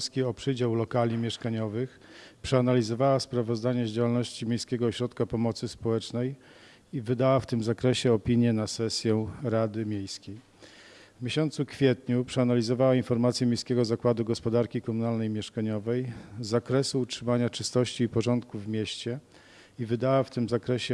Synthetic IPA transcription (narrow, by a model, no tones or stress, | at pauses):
skʲiɔpʂɘd͡ʑawlɔkalʲɲimʲjɛʂkaɲɔvɘx | pʂɛanalʲizɔvawaspɾavɔzd̪aɲɛʑd͡ʑawalnɔɕt͡ɕimʲjejskʲɛɡɔɕɾɔt̪kapɔmɔt̪sɘspɔwɛt͡ʂnɛj | ivɘd̪awaft̪ɘmzakɾɛɕɛɔpʲiɲjɛnasɛsʲjɛɾad̪ɘmʲjejskʲej | vmʲeɕɔnt̪sukfʲjɛt̪ɲupʂɛanalʲizɔvawainfɔɾmat̪sʲjɛmʲjejskʲɛɡɔzakwad̪uɡɔspɔd̪aɾkʲikɔmunalnɛjmʲjɛʂkaɲɔvɛjzakɾɛsuːtʂɘmaɲat͡ʂɘst̪ɔɕt͡ɕiːpɔʐɔnt̪kuvmʲjɛɕt͡ɕɛ | ivɘd̪awaft̪ɘmzakɾɛɕɛ